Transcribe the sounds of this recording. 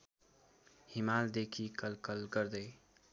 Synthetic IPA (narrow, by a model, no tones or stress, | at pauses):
hɪmaːld̪eːkʰikəlkəlɡəɾd̪əj